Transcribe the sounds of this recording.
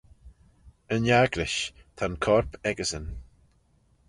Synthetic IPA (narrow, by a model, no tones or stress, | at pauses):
ənjaɡlɪʃ | t̪ʰankʰɔɹpɛɡəzən